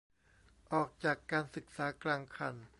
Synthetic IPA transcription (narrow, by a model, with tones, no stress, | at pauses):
ʔɔː˨˩k̚t͡ɕaː˨˩kːaː˧nsɯ˨˩k̚saː˩˦klaː˧ŋkʰa˨˩n